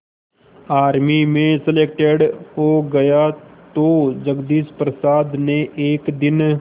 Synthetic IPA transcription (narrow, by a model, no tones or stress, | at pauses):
aːɾmimẽsəleːk̚ʈeɖɦoːɡɐjat̪od͡ʒəɡd̪iːspɾəsaːd̪neʔeːkd̪ɪn